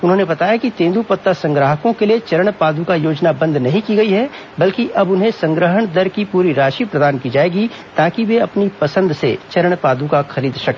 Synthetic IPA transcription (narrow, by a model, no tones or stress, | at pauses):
ʊnɦõːnebɐt̪aːjakit̪ẽːnd̪upɐt̪ːasɐ̃ŋɡɾəɦəkõkeliet͡ʃɐɾəɽ̃paːd̪ũkajoːd͡ʒnabɐ̃nd̪nɐɦĩkiɡɐiɦɛ | bɐlkiʔɐbʊnɦẽsɐ̃ŋɡɾəɦəɳ̃d̪ɐɾkipuːɾiɾaːʃipɾɐd̪aːnkid͡ʒaːeːɡi | t̪aːkiʋeɐpnipɐsə̃nd̪set͡ʃɐɾəɽ̃paːd̪ũkaxɐɾiːd̪ʃɐke